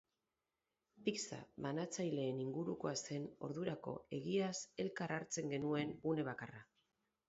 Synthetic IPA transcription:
piksa̰βanat͡sajle̞ːniŋɡuɾuko̞ase̞no̞̰ɾðuɾako̞̰e̞ɣiase̞lkaraɾt͡se̞ŋɡe̞nue̞nɡune̞β̞akara

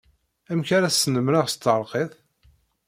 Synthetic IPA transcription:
æmçaɾæsːnəmɾəʁst̪ːəɾˤqeθ

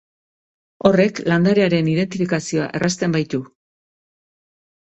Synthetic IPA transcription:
o̞re̞kland̪aɾe̞aɾe̞niðe̞nt̪ifikasio̞a̰ʔe̞rʔast̪e̞mbajt̪u

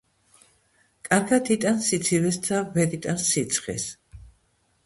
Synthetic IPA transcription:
kʼaɾɡat̪ʰit̪ʼansit̪sʰivɛst̪ʰavɛɾit̪ʼanssit̪sʰχɛ̰s

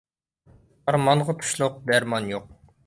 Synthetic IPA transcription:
ɑɾmɑɴʁɑt̪ʰu̥ʃlˠʊq̚d̪æɾmɑnjoq̚

